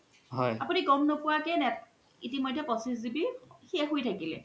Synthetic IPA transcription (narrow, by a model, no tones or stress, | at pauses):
hɔjapuniɡɔmnopʊwakɛnɛt | itimojdʱːɛpɔsizibihiɛxojtʰakilɛ